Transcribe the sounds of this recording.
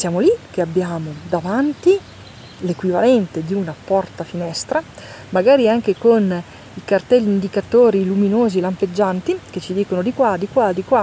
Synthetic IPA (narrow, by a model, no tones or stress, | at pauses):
sjaːmolik̟eabːjaːmod̪avant̪i | lekwivalɛnt̪ed̪iunapɔrt̪afinɛst̪ɾa | maɡaːɾiaŋkekon | ikart̪ɛlːind̪ikat̪oːɾiluminoːzilamped͡ʒːant̪iket͡ʃːid̪iːkonod̪ikwad̪ikwad̪ikwa